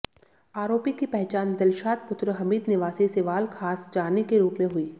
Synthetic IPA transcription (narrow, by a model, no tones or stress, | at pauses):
aːɾoːpikipɛɦt͡ʃaːnd̪ɐlʃaːt̪̚pʊt̪ɾəɦɐmiːd̪nɪʋaːsiseʋaːlkʰaːsd͡ʒaːnikeɾuːpmẽɦʊiː